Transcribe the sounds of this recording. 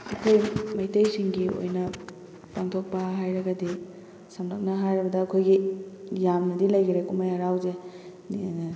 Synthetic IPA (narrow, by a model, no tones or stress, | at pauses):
ɐ̰kʰojmɐjtejsiŋɡio̰jnɐ | paŋtʰok̚pɐɦajɾɐɡɐdi | sɐmlɐk̚nɐɦajɾɐbɐdɐːkʰojɡijamnɐdilɐjɡiɾekumajɐɾawze